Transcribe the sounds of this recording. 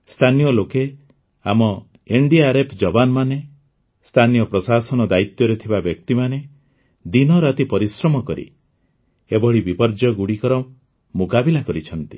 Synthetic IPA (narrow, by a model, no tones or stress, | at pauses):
st̪ʰanijɔloke | amɔ | eɳɖiaɾepʰd͡ʒɔbanɔmane | st̪ʰanijɔpɾɔsasɔnɔd̪ait̪jɔɾet̪ʰibabjɔk̚t̪imane | d̪inɔɾat̪ipɔɾisɾɔmɔkɔɾḭ | ebɔɭibipɔɾd͡ʒɔɡuɽikɔɾɔ | mukabilakɔɾit͡ʃʰɔnt̪i̥